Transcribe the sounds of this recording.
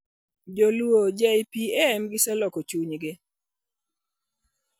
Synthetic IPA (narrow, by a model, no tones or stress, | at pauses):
d͡ʒolwod͡ʒɛjpiɛɛmɡɪsɛlɔkot͡ʃuɲɡɪ